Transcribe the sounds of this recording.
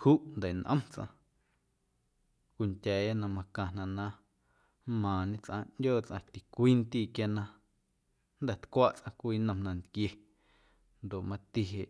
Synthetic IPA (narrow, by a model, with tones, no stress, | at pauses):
huː˦ʔnd̪a˨nʔə̰̃˦mt͡sʔã̰˧ | kʷi˧ntʲɛː˨a˦nã˧mã˧kã˧nã˧ʔnã˦ | mãː˨ɲẽ˦t͡sʔã˧ʔndʲoː˦˨t͡sʔã˧t̪i˨kʷiː˦nt̪iː˦˨kja˧nã˧ | nd̪ɛ˨t̪kʷaː˦ʔt͡sʔã˧kʷiː˦nə̃˧mnã˧nd̪kje˧ | nd̪o˨ʔmã˧t̪i˧ɦe˨ʔ